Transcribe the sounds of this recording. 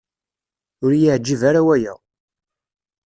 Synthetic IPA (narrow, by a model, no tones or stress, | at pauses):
ʊɾjiʕd͡ʒːivaɾawæjæ̰